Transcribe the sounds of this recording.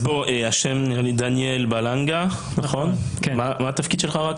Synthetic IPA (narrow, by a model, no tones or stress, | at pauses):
boʔeaʃɛmnɛʁlid̪anjɛlbalaŋɡanaχɔnmamat̪afkid̪ʃɛlχaʁak